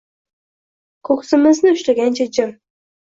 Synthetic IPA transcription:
kʰɵksɪmɪznɪʊʃlaɡʲant͡ʃʰad͡ʒɪɾ

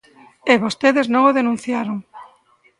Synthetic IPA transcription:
eβost̪eðeznõŋoðenũn̟θjaɾoŋ

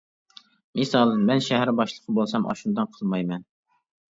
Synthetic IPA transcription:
mɨsɑlˠmɛnʃæɦæɾbɑʃlˠəqʰəbolˠsɑmɑ̰ʃund̪ɑnqʰəlˠmɑjmɛn

